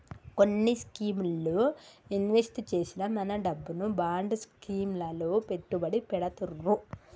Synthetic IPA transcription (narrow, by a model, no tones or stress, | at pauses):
ko̞nːiskiːmloinʋesʈt͡ʃe̞ːsinɐmɐnɐɖɐbːunubaːɳɖskiːmlɐlope̞ʈːubɐɽipɛɽɐt̪urːu